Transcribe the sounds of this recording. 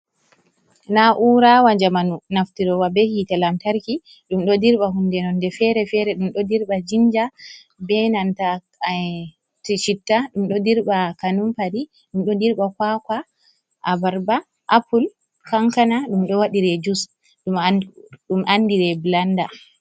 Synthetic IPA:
naʔuɾawad͡ʒamanunaftiɾɔwabɛhitalamtaɾki | ɗumɗɔdiɾɓaɦundɛnɔndɛfɛɾɛfɛɾɛɗumɗɔdiɾɓad͡ʒind͡ʒa | bɛnanta | tit͡ʃitːaɗumɗɔdiɾɓakanumpadi | ɗumɗɔdiɾɓakwakwa | ʔabaɾba | ʔapul | kaŋkanaɗumɗɔwaɗiɾɛd͡ʒus | ɗumɗumʔanːdiɾɛbilanda

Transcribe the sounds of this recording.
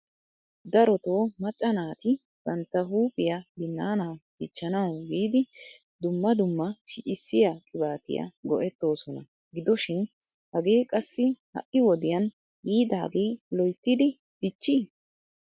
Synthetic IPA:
d̪ɐɾɔt̪o̞ːmɐt͡ʃʼːɐnaːt̪ɪ | ɡ̥ɐnt̪ːɐɦuːpʼɪjabɪnːaːnaːd̪̥ɪt͡ʃːɐnɐwɡiːd̪ɪ | d̪ʊmːɐd̪ʊmːɐʃɪt͡ʃʼɪsːɪjakʼɪbaːt̪ɪ̰jɐ̰ɡɔʔɛt̪ːo̞ːsɔnɐ | ɡɪd̪ɔʃɪn | hɐɡe̞ːkʼɐsːɪhɐ̰ʔɪwɔd̪ɪjɐn | hiːd̪aːɡeːlɔjt̪ːɪd̪ɪ | d̪̥ɪt͡ʃːi

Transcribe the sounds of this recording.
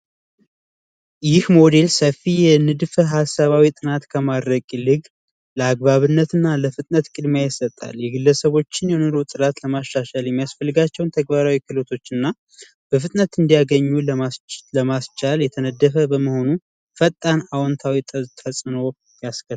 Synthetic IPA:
jɪhmo̞d̪e̞lsəfːijɛnɨd̪fəɦasːaβawit̪ʼɨnat̪kʰəmad̪ɾəkʼilɨɡ | ləaɡ̚βaβɨnːət̪ɨnːaləfɨt̪ʼnət̪kʼɨd̪mejɪsːət̪ʼːa̰ljɛɡɨlːəsəβo̞t͡ʃːɪnjɛnoɾo̞t̪ʼɨɾat̪ləmaʃːaʃaljɛmːijasfəlːɨɡat͡ʃːɛwnt̪ʰəɡbaɾawikʰɨlot̪ʰo̞t͡ʃːɨnːa | b̥əfɨt̪ʼnət̪ɨnd̪ijaɡəɲːuləmasləmast͡ʃaljɛt̪ʰənəd̪ːəfəbəməho̞nu | fət̪ʼːanawɔnt̪ʰawit̪ʰt̪ʰəsʼɨno̞ | jaskʰət̪ː

